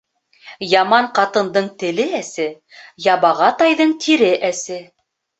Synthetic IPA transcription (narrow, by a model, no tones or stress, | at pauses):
jɑmɑɴqɑt̪ɤ̆nd̪ɤɴt̪ɘ̆lɘæsɘ | jɑβɑʁɑt̪ɑjðɤɴt̪ʰiɾɘʔæsɘ